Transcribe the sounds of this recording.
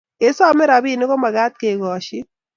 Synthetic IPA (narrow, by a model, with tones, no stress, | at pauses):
e˨sa˦˨mɛ˦ɾa˨bi˦˨nɪ˦ko˦ma˨ɡa˦t̪̚ke˨ɡɔ˨ʃɪ˦